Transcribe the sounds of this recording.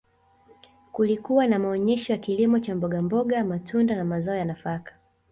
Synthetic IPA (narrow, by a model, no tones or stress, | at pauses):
kulikuwanamaɔɲɛʃɔjakilimɔt͡ʃambɔɠambɔɠamatʰundanamazaɔjanafakḁ